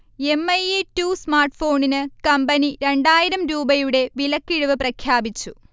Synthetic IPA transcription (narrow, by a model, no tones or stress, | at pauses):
e̞mːɐjetuːsmaːrʈɨfo̞ːɳinɨkɐmbɐniɾe̞ɳɖaːjiɾɐmɾuːbɐjuɽe̞ʋilɐkːiɻuʋɨprɐkʰjaːbit͡ɕːu